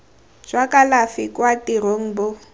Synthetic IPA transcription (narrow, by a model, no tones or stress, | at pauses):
d͡ʒwakʼalafikʼwatiɾoŋ̩bʊ